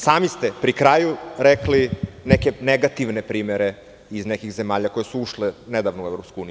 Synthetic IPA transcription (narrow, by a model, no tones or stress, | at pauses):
saːmist̪e̞pɾikɾaːjuɾeklinekeneɡat̪iʋnepɾiːmeɾe | iznekixzemaːʎakojesuuʃlened̪aʋnouevɾopskuuːnij